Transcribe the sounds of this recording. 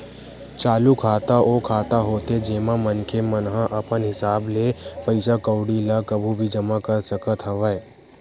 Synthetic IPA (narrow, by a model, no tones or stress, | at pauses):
t͡ʃaːlukʰaːt̪aʔoːkʰaːt̪aɦoːt̪ed͡ʒeːmãmɐnkʰemənɦãʔɐpənɦɪsaːbleːpɐɪsakəʊɽilakɐbʱubʱid͡ʒɐmakɐɾsɐkət̪ɦɐʋəː